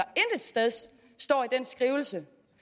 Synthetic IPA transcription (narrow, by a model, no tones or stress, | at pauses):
ɐend̥ə̥sd̥eð̞ˠ | sd̥ɒ̰ːid̥en̰sɡ̥ʁiːʊl̩sə